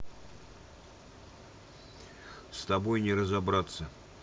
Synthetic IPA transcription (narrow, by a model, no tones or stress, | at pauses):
st̪ɐbojnʲɪɾəzɐbɾat̪sə